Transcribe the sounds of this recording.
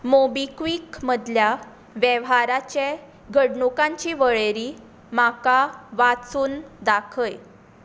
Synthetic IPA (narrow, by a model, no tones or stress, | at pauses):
mobikʋiːkməd̪lja | ʋjeʋɦaɾat͡ɕe | ɡʱəɽɳukãɲt͡ɕiʋəɭeɾi | makaʋat͡suːnd̪akʰəj